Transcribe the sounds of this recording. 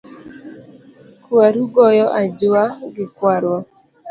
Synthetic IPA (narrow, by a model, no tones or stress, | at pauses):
kuaɾuɡɔjɔʔad͡ʒʊaɡɪkwaɾwa